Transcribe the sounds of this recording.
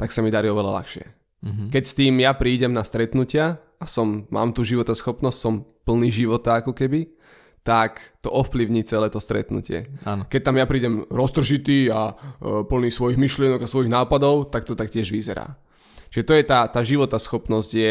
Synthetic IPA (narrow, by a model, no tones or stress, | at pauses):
t̪aksamid̪aɾiɔʋɛla̰la̰xʃɪɛ̰ | kɛcst̪iːmjapɾiːɟɛmnast̪ɾɛt̪nucɪa | asɔmːa̰ːmt̪uːʒiʋɔt̪asxɔpnɔscsɔmpl̩niːʒiʋɔt̪aakɔkɛbi | t̪akt̪ɔʔɔfpliʊɲiːt͡sɛlɛːt̪ɔst̪ɾɛ̰t̪nṵcɪɛ̰akɛc̚t̪amjapɾiːɟɛmɾɔst̪r̩ʒit̪iːapl̩niːsʋɔjiɣmiʃlɪɛnɔɡasʋɔjiɣnaːpad̪ɔʊt̪ak̚t̪ɔt̪akcɪɛʒʋizɛɾa̰ː | t͡ʃiʒɛt̪ɔjɛt̪aːt̪aːʒiʋɔt̪asxɔpnɔzɟjɛ